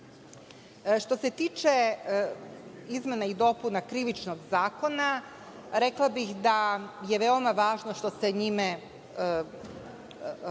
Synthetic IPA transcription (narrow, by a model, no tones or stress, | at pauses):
ʃt̪o̞se̞t̪iːt͡ʃe | izme̞naid̪o̞punakɾiʋit͡ʃno̞ɡzaːko̞na | ɾeklˠabixd̪aje̞ʋeo̞maʋaːʒnoʃt̪o̞se̞ɲime